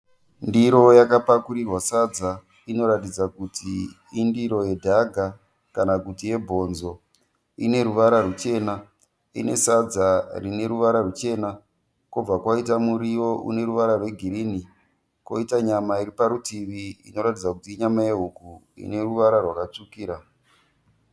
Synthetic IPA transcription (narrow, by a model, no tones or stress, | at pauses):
ndiɾo̞jakapakuɾirwasad͡za | ino̞ɾatid͡zakutiː | ndiɾo̞je̞dʱaɡʱa | kanakutije̞bʱo̞nzo̞ | ine̞ɾuʋaɾarut͡ʃe̞ːna | ḭne̞̰sad͡zarine̞ɾuʋaɾarut͡ʃe̞na | kob͡vakwait̬amuɾijo̞ʔṵne̞ɾuʋaɾarwe̞ɡʱiɾini | ko̞̰itaɲamaiɾipaɾutiʋiḭno̞ɾatid͡zakutiːɲamaeɦuku | ḭne̞ruʋaɾarwakat͡ʂukiːɾa